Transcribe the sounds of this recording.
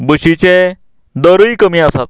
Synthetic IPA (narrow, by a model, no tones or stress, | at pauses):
bəɕit͡ɕe | d̪əɾuikəmiasat̪̚